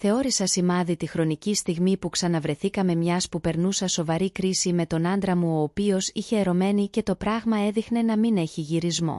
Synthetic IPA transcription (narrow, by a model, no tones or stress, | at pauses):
θe̞o̞ɾisɐsimɐðit̪ixɾo̞nicist̪iɣmipuksɐnɐvɾe̞θikɐme̞mɲɐspupe̞ɾnusɐso̞vɐɾikɾisime̞t̪o̞nɐnd̪ɾɐmuoːpio̞siçe̞ːɾo̞me̞nice̞t̪o̞pɾɐɣmɐe̞ðixne̞nɐmine̞çiʝiɾizmo̞̰